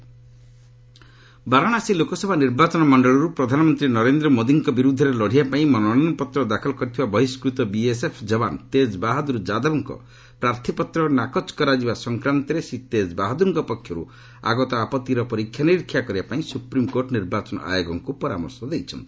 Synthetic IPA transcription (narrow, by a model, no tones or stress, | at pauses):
baɾɔɽ̃asilokɔsɔbʱaniɾbat͡ʃɔnɔmɔɳɖɔɭɔɾupɾɔd̪ʱanɔmɔnt̪ɾinɔɾend̪ɾɔmod̪iŋkɔbiɾud̪ʱɔɾelɔɽ̤iapaĩmɔnɔnanɔpɔt̪ɾɔd̪akʰɔlɔkɔɾit̪ʰibabɔɦiskɾut̪ɔbiesepʰd͡ʒɔbant̪ed͡ʒbaɦad̪uɾud͡ʒad̪ɔbɔŋkɔ̰ | pɾaɾt̪ʰipɔt̪ɾɔnakɔt͡ʃkɔɾad͡ʒibasɔŋkɾant̪ɔɾesit̪ed͡ʒbaɦad̪uŋkɔpɔkʰːjɔɾṵ | a̰ɡɔt̪ɔapɔt̪ːiɾɔpɔɾikʰːjaniɾikʰːjakɔɾibapaĩsupɾimkoɾʈɔniɾbat͡ʃɔnɔ̰ʔa̰joɡɔŋkupɔɾa̰mɔ̰ɾsɔd̪ejt͡ʃʰɔ̰nt̪i̥